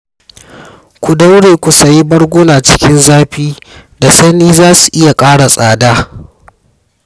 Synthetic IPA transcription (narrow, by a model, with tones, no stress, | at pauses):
kʷu˨da˦wɽeː˨kʷu˨sɐ˨ji˦bɐ˦ɽɡʷoː˦naː˨t͡ʃɪ̥˦kʲɪ˦nzaː˦ɸiː˦da˨sɐ˦niː˦zaː˦su̥˨ʔɪ˦ja˨kʼaː˦ɽa˨sʼaː˨daː˦